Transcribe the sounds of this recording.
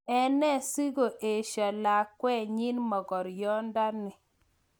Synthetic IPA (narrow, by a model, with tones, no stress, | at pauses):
ɛ˦nɛ˦si˦ɡo˨ʔe˨ʃa˨la˨kwɛ˦˨ɲi˦nmɔ˨ɡɔ˨ɾjɔ˦nda˦nɪ˨